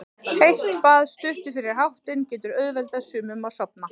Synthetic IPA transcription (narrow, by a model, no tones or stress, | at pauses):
hejht̪paːðst̪ʏht̪ʏ̥fɪːɾɪɾ̥ɦawht̪ɪncɛːt̪ʏɾœðvɛlt̪asʏːmʏmaðsɔpna